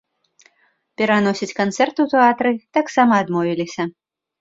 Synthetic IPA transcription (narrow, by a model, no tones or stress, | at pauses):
pʲɛɾanɔsʲit͡sʲkant̪sɛrt̪ut̪ɨat̪ɾɨt̪aksamɐːd̪mɔvʲilʲisʲɐ